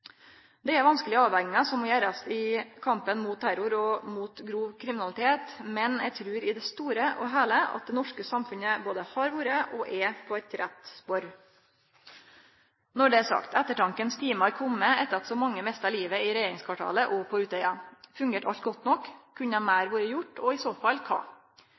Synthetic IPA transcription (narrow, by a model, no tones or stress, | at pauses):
d̪ɛæɾʋɑnskəlɪəɑːʋhɛŋɪŋəsɔmːɔjæːɾɑsɪkʰɑmpənmuːt̪̚t̪ʰːæɾʊɾɔmuːt̪ɡɾuːʋkʰɾɪmɪnɑlɪt̪ʰeːt̪mɛnɛɡt̪ʰɾʉːɾɪd̪ɛst̪uːɾəʔɔɦæːləɑ̰t̪̚d̪ɛnɔʂkəsɑmfʉnəboːd̪əhɑɾʋuːɾəʔɔʔɛpʰɔɛt̪ɾɛt̪spɔɾ | nɔɖɛæsɑ̰kt̪ɛt̪ːəʈɑŋkənst̪ʰiːmɑɾkʰɔmːəɛt̪ːəɾɑt̪sɔmɑŋːəmɛst̪əɑliːʋəɪɾɛjeːɾɪŋskʰʋɑʈʰɑ̰ːləʔɔpʰɔʉːt̪œʏɑfʉŋɡeːʈɑ̰lt̪̚ɡɔt̪ːnɔkʰːʉɲːəæmæɪɾʋuːɾəjʊʈːɔɪsoːfɑlːkʰɑ̰ː